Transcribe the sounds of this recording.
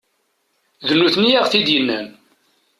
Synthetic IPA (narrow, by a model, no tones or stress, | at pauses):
ðənːuθnijæʁθid̪jənːæn